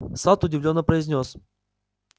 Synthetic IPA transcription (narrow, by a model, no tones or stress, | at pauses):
sat̪ʊdʲɪvlʲo̞nːəpɾəɪzʲnʲos